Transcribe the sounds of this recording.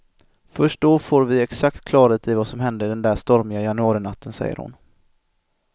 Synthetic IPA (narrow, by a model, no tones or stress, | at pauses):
fœʂʈ̚d̪ɔfoːɾvɪɛksak̚t̪kʰlɑːɾeːt̪ʰɪvasɔmɦɛnd̪əɾɪd̪ɛnd̪æːʂt̪ɔɾmɪɡajanɵɑːɾɪnat̪ːənsɛ̰jːə̰ɾhʊ̰n